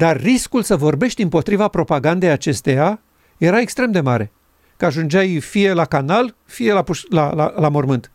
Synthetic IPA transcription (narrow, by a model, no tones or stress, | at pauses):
d̪arːiskulsəvo̞rbe̞ʃt̪ʲɨmpo̞t̪ɾivapɾo̞paɡand̪e̞jat͡ʃe̞st̪e̞ja | je̞ɾae̞kst̪ɾe̞md̪e̞maɾe̞ | kəaʒund͡ʒajfije̞lakanal | fije̞lapuʃlaalamormɨnt̪